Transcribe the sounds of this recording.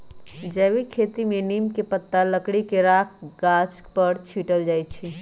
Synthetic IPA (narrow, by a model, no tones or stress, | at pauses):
d͡ʒəʋikʰeːt̪imẽniːmkepət̪ːaləkɽikeɾaːk̚ʰɡaːt͡ʃkpəɾt͡ʃʰiːʈəld͡ʒaːjt͡ʃʰi